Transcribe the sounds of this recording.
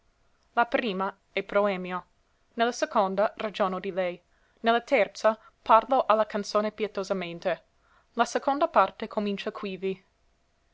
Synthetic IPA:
lapɾiːma | ɛpɾoɛːmjo | nelːasekond̪arad͡ʒoːnod̪ilɛj | nelːat̪ɛrt̪sa | parloʔalːakant̪soːnepjɛt̪ozament̪e | lasekond̪apart̪ekʰomint͡ʃakʰwivi

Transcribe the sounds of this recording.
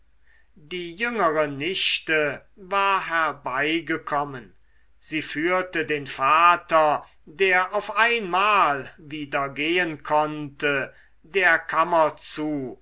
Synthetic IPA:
diːjʏŋəʁənɪʃtəvaːɐɦɛɐbaɪɡəkʰɔmən | z̥iːfyːɐtədeːnfaːtɐ | deːɐʔaʊfʔaɪnmaːlviːdɐɡeːənkʰɔntə | deːɐkʰamɐt͡suː

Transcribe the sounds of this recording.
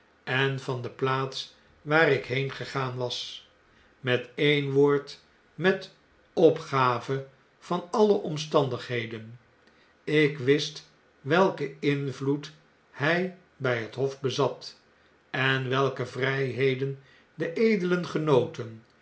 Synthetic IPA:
ɛnvɑndəplaːts | ʋaːɾɪkɦejnχəχaːnʋɑs | mɛtejnʋoːɹt | mɛt | ɔpχaːvə | v̥ɑnɑləʔɔmstɑndəχɦejdən | ɪkʋɪst | ʋɛlˠkəɪnvlut | hɛj | bɛjɦətɦɔfbəzɑt̪ | ɛnʋɛlˠkəvrɛjɦejdən | dəʔejdələnχənowtən

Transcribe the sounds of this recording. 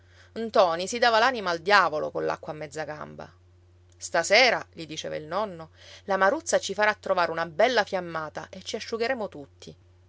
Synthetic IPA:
nt̪ɔːnisid̪aːvalanimaːld̪jaːvolo̰kola̰kːwamːɛd̪zːaɡa̰mba̰ | st̪asɛːɾaʎid̪it͡ʃɛ̰ːva̰ilnɔnːolamaɾut̪sːat͡ʃifaɾaːt̪ːɾovaːɾeunabɛlːafjamːaːt̪a̰ʔet͡ʃːiaʃːuɡeɾeːmot̪ut̪ːi

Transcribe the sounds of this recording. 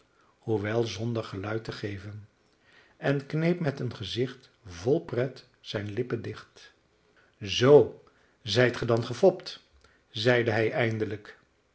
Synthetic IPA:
huʋɛlˠzɔndəɹχəlœɥtəχejvən | ʔɛnknejpmɛtənχəzɪχt | vɔlˠprɛt | sɛjnlɪpəndɪχt | zow | zɛjtχədɑnχəfɔpt | zɛjdəɦɛjʔɛjndələk

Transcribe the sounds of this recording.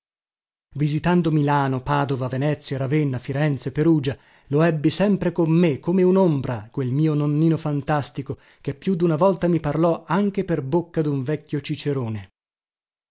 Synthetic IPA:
vizit̪and̪omilaːnopaːd̪ovavenɛt̪sːjaɾavenːafiɾɛnt̪sepeɾuːd͡ʒa | loɛbːisɛmpɾekomːekːomeunombɾʔakwelmiːononːiːnofant̪ast̪iko | k̟epːjud̪ːunavɔlt̪amiparlɔaŋk̟eperbokːad̪uɱvɛkʲːjot͡ʃit͡ʃeɾoːne

